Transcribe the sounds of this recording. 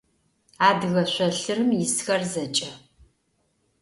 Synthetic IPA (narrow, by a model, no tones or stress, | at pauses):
aːdɨɣɐɕʷɐɬɨrɨmjɪsxɐrzɐt͡ʃʼɐ